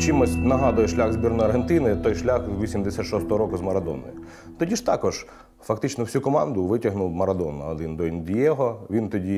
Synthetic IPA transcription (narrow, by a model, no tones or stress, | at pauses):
t͡ʃimɔsʲnɐɦɑd̪ʊjɛʃlʲaɣzʲbʲirnɔjɐrɦent̪ɪnɪt̪ɔjʃlʲaxʋʲisʲimd̪esʲat̪ʃɔst̪ɔɦɔɾɔkʊzmɐɾɐd̪ɔ̰nɔ̰jʊ | t̪ɔdʲiʃt̪ɑkɔʒ̥ | fɐkt̪ɪt͡ʃnɔwsʲukɔmɑnd̪ʊʋɪtʲɐɦnʊwmɐɾɐd̪ɔnːɐɔd̪ɪnd̪ɔind̪jɛɦɔʋʲint̪ɔdʲi